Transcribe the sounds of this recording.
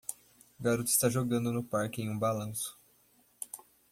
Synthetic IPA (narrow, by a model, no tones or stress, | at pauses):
ɡaɾut̪ʊɪ̥st̪aʒoɡɐ̃nd̪ʊnʊpaɾkɪẽj̃ũbalɐ̃sʊ̥